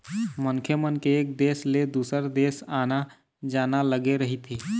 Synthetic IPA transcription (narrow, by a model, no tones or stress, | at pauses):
mənkʰjəmənkeːk̚d̪esled̪usəɾd̪esana | d͡ʒanaləɡeɾəɦit̪ʰi